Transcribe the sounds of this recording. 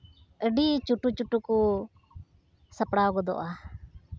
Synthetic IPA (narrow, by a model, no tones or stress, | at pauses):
əɖit͡ʃuʈut͡ʃuʈuku | sapɽaɡɔd̪ɔ̰ʔa